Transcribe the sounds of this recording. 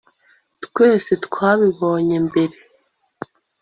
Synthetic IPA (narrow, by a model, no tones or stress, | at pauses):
tkwe̞ːsetkwaːβiβo̞ːɲe̞mbe̞ɾe